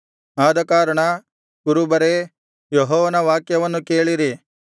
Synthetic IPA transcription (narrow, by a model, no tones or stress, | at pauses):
aːd̪ɐkaːɾɐɳɐ | ɡ̥uɾubɐɾe | jɔɦɔːʋɐnɐʋaːkjɐʋɐnːukeːɭiɾi